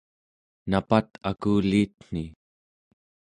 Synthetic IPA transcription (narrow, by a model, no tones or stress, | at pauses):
napat̪akuːliːt̪̚n̥i